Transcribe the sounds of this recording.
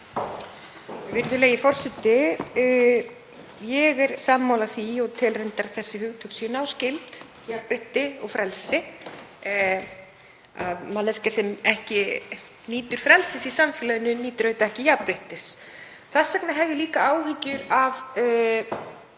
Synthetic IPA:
vɪɾðʏleːɣjɪfɔr̥sɛt̪ːɪ | jɛɣɛɾ̥samːawlaθiɔɣt̪ʰɪlrejnt̪aɾθɛsːɪhʏɣt̪ʰʏksʏnawscɪlt̪ | japɾɪht̪ɪɔɣfɾɛlsɪ | a̰ðmalɛscasɛmɛhcɪ | niːt̪ʏɾ̥fɾɛlsɪsisamfɪːlaðʏnːʏniːt̪ʏɾœɥt̪aɛhcɪjapɾɪht̪ɪs | θasːɛknaɦɛvðɪliːkaaːwhɪcʏɾav

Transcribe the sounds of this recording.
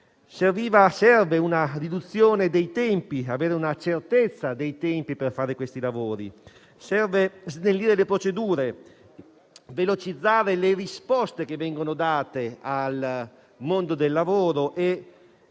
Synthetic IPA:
serviːvasɛrveunarid̪ut̪sːjoːned̪ejt̪ɛmpiaveːɾeunat͡ʃert̪et̪sːad̪ejt̪ɛmpiperfaːɾekwest̪ilavoːɾḭ | sɛrveznelːiɾelepɾot͡ʃed̪uːɾe | velot͡ʃid̪zːaːɾelerispɔst̪ek̟evːɛŋɡonod̪aːt̪eal | mond̪od̪elːavoːɾoʔe

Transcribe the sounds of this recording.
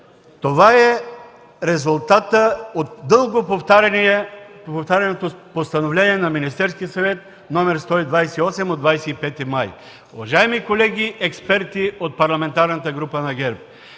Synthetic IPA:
t̪ovaɛ | ɾɛzʊlˠt̪at̪əot̪d̪ɤlˠɡopoft̪aɾ | poft̪aɾʲɐnot̪opost̪ɐnovlɛniɛnɐminist̪ɛɾskiəsɐvɛt̪̚ | nɔmɛɾst̪ɔid̪vajsɛiɔsɛmod̪vajsɛipɛt̪imaj | ʊvɐʒaɛmikolɛɡʲiʔɛkspɛɾt̪iot̪̚pɐɾlˠɐmɛnt̪aɾnət̪əɡɾupənɐɡʲɛɾp̚

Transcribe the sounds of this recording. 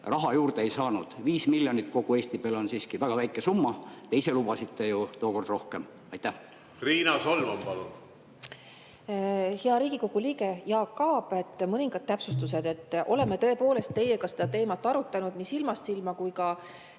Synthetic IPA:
rɑɦɑjuːrd̪eejsɑːnud̪̥viːsmilʲjo̞nit̪ːˑko̞ɡ̥ue̞ːsʲt̪ib̥eːlo̞nsiːskivæɡ̥ɑvæjkˑesumːɑt̪e̞jse̞lub̥ɑsit̪ːˑe̞jut̪oːko̞rd̪̥ro̞hke̞m | ɑjt̪ːæh | riːnɑsolmɑmpɑlun | heɑɾiːɡ̥iko̞ɡ̥uliːɡe̞jɑːkːɑːb̥e̞t̪ːˑmɤniŋɡ̥ɑd̪̥̚t̪æpsust̪us̬ed̪̥e̞t̪ːˑʔo̞̰le̞met̪ɤ̞e̞po̞ːle̞st̪ːe̞je̞kɑse̞d̪̥ɑt̪e̞ːmɑt̪ːˑɑɾut̪ːˑɑnud̪̥nisilmɑst̪silmɑkujkɑ

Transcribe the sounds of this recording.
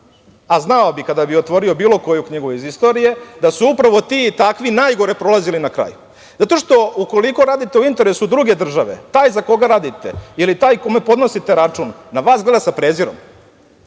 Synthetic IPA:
aznaobikad̪abiot̪ʋo̞ɾio̞biːlˠo̞ko̞jukɲiɡuizist̪o̞ɾije̞d̪asuupɾaʋo̞t̪it̪akʋinaːjɡo̞ɾepɾo̞lazilinakɾa̰ːju | zat̪o̞ʃt̪o̞uko̞liko̞ɾaːd̪it̪e̞uint̪e̞ɾe̞sud̪ɾuɡe̞d̪r̩ʒaʋe̞̰t̪aːjzako̞ɡaɾaːd̪it̪e̞̰ilit̪aːjkomepo̞d̪no̞sit̪e̞ɾat͡ʂunːaʋaːsɡle̞d̪asapɾeziɾo̞̰m

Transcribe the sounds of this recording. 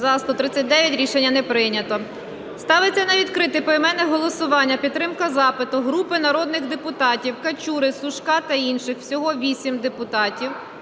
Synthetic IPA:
zɐst̪ɔt̪ɾɪt͡sʲːɐt̚ʲd̪ɛʋʲjɐtʲɾʲiʃenʲːɐnɛpɾɪnʲɐt̪ɔ | st̪ɑʋɪt͡sʲːɐnɐʋʲid̪kɾɪt̪ɪpɔɛmɛnɛɦɔlˠɔsʊʋɑnʲːɐpʲid̪̚t̪ːɾɪmkɐzɑpɪt̪ʊɦɾupɪnɐɾɔd̪nɪɣd̪epʊt̪ɑtʲiwkɐt͡ʃʲuɾɪsʊʃkɑt̪ɐinʃɪxw̥sʲɔɦɔʋʲisʲimd̪epʊt̪ɑtʲiw

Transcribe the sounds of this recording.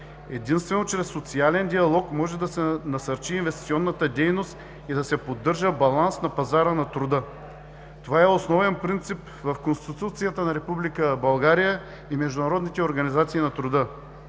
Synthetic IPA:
ɛd̪inst̪vɛnot͡ʃɾɛsːot̪sialɛnd̪iɐlˠɔkmɔʒɛd̪ɐsɛnɐsɐɾt͡ʃiːnvɛst̪i̥t̪siɔnːət̪əd̪ɛjnost̪ | id̪ɐsɛpod̪ːɤɾʒəbɐlˠansnɐpɐzaɾənɐt̪ɾʊd̪ɤ | t̪ovaɛosnɔvɛnpɾint̪sip | vɐfkonst̪it̪t̪ut̪sijət̪ənɐɾɛpublikəbɐlˠɡaɾijə | imɛʒd̪ʊnɐɾɔd̪nit̪ɛoɾɡɐnizat̪siːnɐt̪ɾʊd̪ə

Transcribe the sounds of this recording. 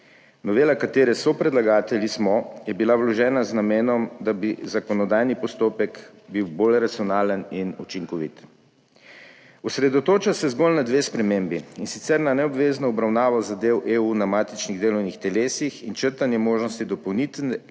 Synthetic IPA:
nɔʋeːlakat̪eːɾɛsɔpɾɛd̪laɡaːt̪ɛlʲismɔjɛbilawlɔʒɛːnaznameːnɔmd̪abizakɔnɔd̪aːjnipɔst̪oːpɛk | biwbolɾat̪sijɔnaːləninut͡ʃiŋkɔʋḭt̪ | ɔsɾɛd̪ɔt̪oːt͡ʃasɛzɡolnad̪ʋeːspɾɛmeːmbiinsit̪sɛɾnanɛɔbʋeːznɔɔbɾawnaːʋɔzad̪ewʔeːuːnamaːt̪it͡ʃniɣd̪eːlɔwnixt̪ɛleːsixint͡ʃəɾt̪anjɛmoːʒnɔst̪id̪ɔpɔwnit̪

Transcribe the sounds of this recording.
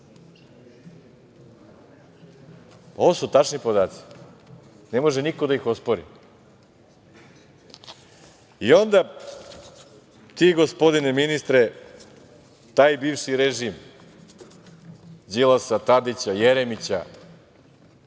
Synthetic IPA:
po̞ʋosut̪at͡ʃnipod̪aːt̪si̥ | ne̞mo̞ʒenikod̪aixo̞spoɾḭ | io̞nd̪a | t̪iɡo̞spod̪ineminist̪ɾe | t̪aːjbiːʋʃiɾeʒim | zilˠasat̪ad̪it͡ɕajeɾemit͡ɕa̰

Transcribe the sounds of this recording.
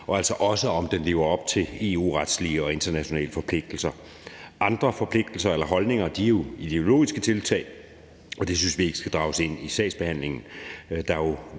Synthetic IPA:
ɒ̽ælsɒ̽ʔɒ̽səɒ̽md̥enle̝̰ːʊ̰ɐɒ̽b̥̚t͡sʰe̝e̝ṵːʁad̥sliəɒ̽e̝nd̥ɐnæɕo̝nɛ̰ːləfɒ̽pʰle̝ɡ̥̚d̥l̩sɐ | ʔɑ̈nd̥ʁɐfɒ̽pʰle̝ɡ̥̚d̥l̩sɐelɐɦɒ̽lne̝ŋɐd̥iæjo̝id̥e̝o̝lo̝̰ːisɡ̥ət͡sʰe̝lt͡sʰɛ̰ɪ | ɒ̽d̥e̝synsʋie̝ɡ̥ə̥sɡ̥æd̥ʁɑ̈ʊse̝n̰isɛ̰ɪsb̥e̝hæn̰le̝ŋn̩d̥ɑ̈jo̝

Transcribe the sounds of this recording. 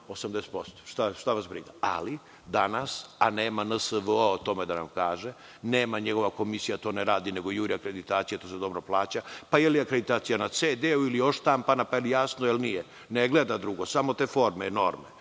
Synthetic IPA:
osamd̪ese̥t̪po̞st̪o̥ʃt̪aʃt̪aʋasbɾiɡaa̰li | d̪anasa̰neːmanəsəʋəoot̪o̞med̪ana̰mkaːʒe | neːmaɲeɡo̞ʋako̞misijat̪o̞ːneɾaːd̪ineɡojuːɾiakɾe̞d̪it̪aːt̪sijet̪oːsed̪o̞bɾoplaːt͡ɕapajelijakɾed̪it̪aːt̪sijanat̪seːd̪euilijoʃt̪ampanapaelijasnojelnije | neɡled̪ad̪ɾuɡosamo̞t̪eːfo̞ɾmeno̞ɾme

